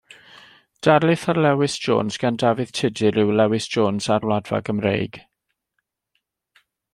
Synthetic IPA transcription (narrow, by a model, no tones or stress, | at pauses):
d̥aɾlˠɪθarlɛwɪsd̥ʒ̥o̰ːnsɡ̥andavɨð̥tʰɪdɪɾɪwlɛwɪsʒ̥oːnsarwladva̰ɡəmrḛjɡ̥